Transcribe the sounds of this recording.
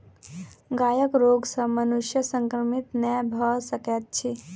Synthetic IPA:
ɡaːjəkɾoɡsəmənuʃjəsəŋkɾəmit̪nɛbʱəsəket̪̚t͡ʃʰi

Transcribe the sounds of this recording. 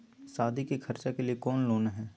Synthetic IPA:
saːd̪ʱikekʰɐɾt͡ʃakeliekɔːnloːnaɦɛ̃ː

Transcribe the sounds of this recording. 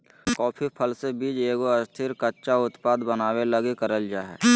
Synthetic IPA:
kɔːpʰipʰəlsebiːd͡ʒeːɡoɐst̪ʰɪɾkətːʃaʊt̪paːd̪bənaːweləɡekəɾəld͡ʒaːɦɛ̰ː

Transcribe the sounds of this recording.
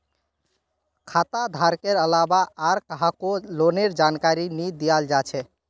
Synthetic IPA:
kʰat̪ad̪ʱaɾkeɾəlabaːɾkəɦakoloneɾd͡ʒankaɾinid̪ijald͡ʒat͡ʃʰɛ

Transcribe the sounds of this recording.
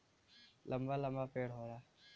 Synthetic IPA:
lʔɐmbalɐ̃mbapeːɽɦoːɾaː

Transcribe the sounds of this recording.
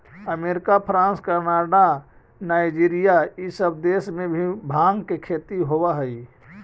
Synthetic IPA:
əmeːɾɪkapʰɾãːnskəɾnaːɖa | naːɪd͡ʒiɾijaisəbd̪eːsmẽbʱibʱaːŋɡkekʰet̪iɦowaɦəi

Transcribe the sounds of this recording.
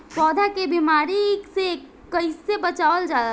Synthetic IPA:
pɔːd̪ʱakebimaːɾiekse | kəɪsebət͡ʃaːʋəld͡ʒaːd̪a

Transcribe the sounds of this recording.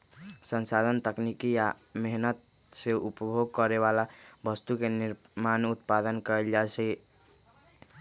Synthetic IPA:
sənsad̪ʱənt̪əknikija | meɦnət̪̚ | seupəbʱoɡ̚kəɾeβalabəst̪ukeniɾ | manut̪̚pad̪ənkəeld͡ʒat͡ʃʰɛ

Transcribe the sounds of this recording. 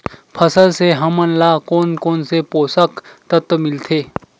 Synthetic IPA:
pʰɐsəlseɦɐmənlaːkoːnkoːnsepoːsəkt̪ɐt̪mɪlt̪ʰeː

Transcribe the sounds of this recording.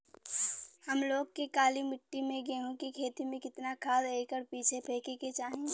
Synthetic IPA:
hɐmloːɡ̚kekaːlimɪʈːimẽɡɛ̃ːɦõkikʰeːt̪imẽkɪt̪nakʰaːd̪eːkəɾpiːt͡ʃʰepʰeːkeket͡ʃaːɦẽɡeː

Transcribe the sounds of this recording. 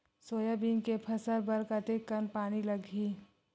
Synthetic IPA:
soːjabiːŋkepʰɐsəɾbɐɾkɐt̪ekːənpaːnilɐɡʱiː

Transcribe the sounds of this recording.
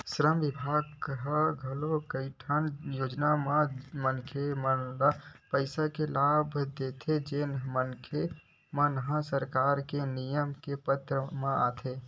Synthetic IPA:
sɾəmʋɪbʱaːɡkɦaɡʱəlokəiʈʰənjoːd͡ʒnamãmənkʰeməapəɪsakelabʱd̪et̪ʰed͡ʒeːnmənkʰe | mãnəɦãsəɾkaːɾkenijəmkepət̪ɾəmãaːt̪ʰe

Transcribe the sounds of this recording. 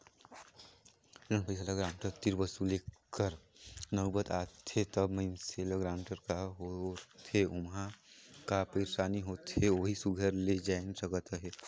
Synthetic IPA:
d͡ʒənpəɪsalaɡɾaːɳʈəɾt̪iɾbəsulekkːəɾnəbət̪aːt̪ʰet̪əbməɪmseləɡɾaːʊɳʈəɾkaɦot̪ʰeʊmɦãkapiɾsaːniɦot̪ʰeoɦisuɡʱəɾled͡ʒansəkət̪ɦe

